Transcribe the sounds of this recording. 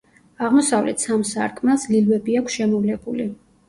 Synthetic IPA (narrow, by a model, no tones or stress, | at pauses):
aʁmɔsavlɛ̰t̪ʰsamsa̰ɾkʼmaslilwɛbiakʷʰsʃɛmɔvlɛbuli